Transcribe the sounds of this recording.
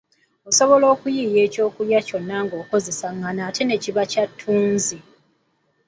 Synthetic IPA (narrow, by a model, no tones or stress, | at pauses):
o̞so̞βo̞lo̞ːkujije̞ːco̞ːkuljaco̞nːaŋɡo̞ːko̞ze̞saŋɡanaːtʰe̞ne̞ciβacatʰːuːnzi